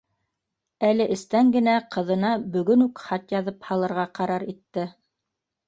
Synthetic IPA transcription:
ælɘʔɘ̆st̪æŋɡɘ̆næqʰɤ̆ðɤ̆nɑbɵ̆ɡɵnʉkχɑt̪jɑðɤphɑlˠɤ̆ɾʁɑqɑɾɑɾit̪ːɘ

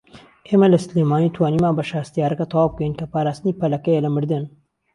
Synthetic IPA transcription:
ʔeːmɐlɐsleːmaːniːt̪ʰwaːniːmaːbɐʃaːst̪ijaːɾɐkat̪ʰɑwaːb̚kɐjinkɐpaːɾaːst̪ɨniːpɐlɐkɐjelɐmɨɾd̪ɨn

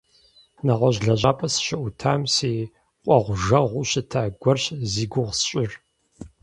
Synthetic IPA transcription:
naʁʷɐʑɮɐʑaːpʼɐsɕɐʔʊtʰaːmseː | qʷʼɔʁʷʊʒɐʁʷʊɕɪtʰaːɡʷɔrɕziːɡʷʊʁsɕʼɪr

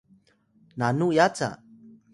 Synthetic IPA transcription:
nanujat͡sa̰

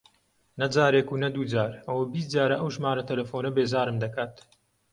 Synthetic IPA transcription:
nɐd͡zaːɾeːkuːnɐd̪uːd͡zaːɾɐwɐjbis̬t̪̚d͡zaːɾɐʔɐwʒmaːɾɐt̪ʰɐlɐfoːnɐbeːzaːɾɨmd̪ɐkaːt̪

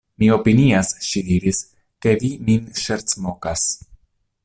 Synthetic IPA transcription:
mio̞piniasʃidiɾis | ke̞viminʃeɾt͡smo̞kas

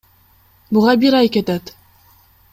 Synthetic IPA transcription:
bʊʁɑbiɾɑjket̪æt̪

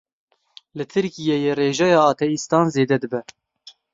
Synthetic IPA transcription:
lɨt̪ʰɨɾkijejereːʒɛjɑːt̪ʰɛist̪ɑːnzeːd̪ɛd̪ɨbɛ

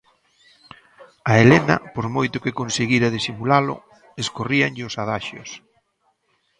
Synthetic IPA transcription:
aelenɐ̰poɾmojt̪ʊkɪkonseɣiɾaðisimulalʊ̰ | eskoriaŋʎɪʊsaðaʃʊ̰s

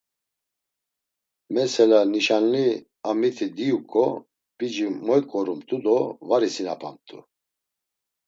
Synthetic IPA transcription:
mɛsɛlaniʃanli | amit̪ʰid̪ijukʼɔ | b̥id͡ʒimɔjkʼɔɾumt̪ʼud̪ɔvaɾisina̰pʼa̰nt̪ʼṵ

